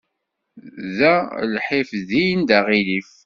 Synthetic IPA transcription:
ðælħɪfðijnd̪æʁilif

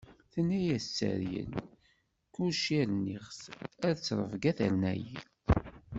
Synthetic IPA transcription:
θənːæjæt͡sːə̰ɾjə̰n | kuʃiɾniχsæðt͡sːɾˤə̰vɡæθə̰ɾnæji

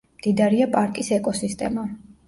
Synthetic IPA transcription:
md̪̥id̪aɾiapʼaɾkʼisɛkʼɔsist̪ʼɛ̰ma

